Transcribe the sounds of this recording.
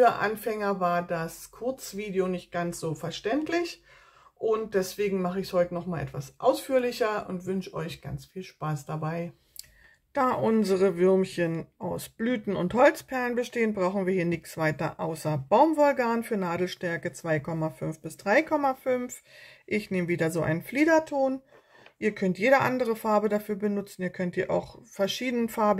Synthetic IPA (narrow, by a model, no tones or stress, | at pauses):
yɐʔa̰nfɛŋɐvaːɐdaskʰʊɐt͡sv̥iːdeonɪçt̚ɡ̥ant͡sz̥oːfɛɐʃtɛntʰlɪç | ʔʊnt̚d̥ɛsv̥eːɡŋ̩maχəɪçshɔʏtənɔχmaːlʔɛ̰tv̥a̰sʔa̰ʊsfyːɐlɪçɐʊ̰ntv̥ʏnʃʔɔ̰ʏçɡ̥a̰nt͡sfiːlʃpaːsd̥abaɪ | d̥aːʔʊnzəʁəvʏɐmçənʔaʊsb̥lyːtn̩ʊnthɔlt͡spʰɛɐlənbəʃteːənbʁaʊxn̩viːɐhiːɐnɪçt͡sv̥aɪtɐ̰ʔaʊsɐb̥aʊmvʊlkaːnfyːɐnaːdl̩ʃtɛɐkət͡sv̥aɪkʰɔmafʏnfb̥ɪsd̥ʁaɪkʰɔmafʏnfʔɪçneːməviːdɐzoːʔa̰ɪnənfliːdɐtʰoːn | ʔiːɐkʰœntjeːɾəʔandəʁ̞əfaɐbədafyːɐbənʊt͡sn̩iːɐkʰœnthiːɐʔa̰ʊxfɛɐʃiːdənənfaɐb